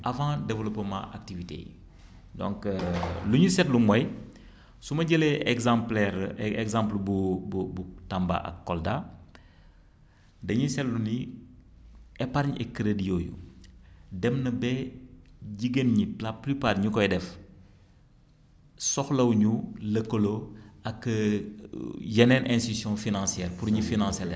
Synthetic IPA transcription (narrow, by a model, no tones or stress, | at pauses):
ʔɐvãdɛvəlɔpːəmã̰ʔak̚tivitḛː | dɔ̰̃ŋkːluɲusɛtlumɔj | sumɐɟəlɛɛɡzãplɛɾɛɡzãmplbububutamba̰ʔɐ̰kːɔlda | dɐɲusɛtluni | ɛpaɾɲɛkːɾedijoːjṵ | dɛmnəbɛ | ɟiɡenɲiplaplypaːrɲukɔjdɛf | sɔxlɐwɲulɐkːoloɐkː | jɛnɛnɛ̃nssjɔ̃finãnsiɛːrpuɾɲifinãnsɛlɛ̰